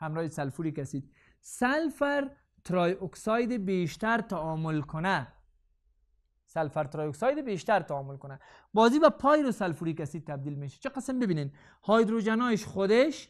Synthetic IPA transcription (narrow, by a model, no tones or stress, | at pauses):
hamɾɔːhisalfuɾikasid̪̚ | salfaɾ | t̪ɾɔjʊksɑjd̪ɪbeʃt̪aɾt̪aɔmʊlkʊna | salfaɾt̪ɾɔjoksɑjd̪ɪbeʃt̪aɾt̪aɔmʊlkʊna | bɔzibapʰɔjɾosalfuɾikasid̪̚t̪ːab̚d̪ilmeʃḁt͡ʃʰiqəsɪmbɪbinen | hɔjd̪ɾod͡ʒanɔjɪʃχʊd̪eʃ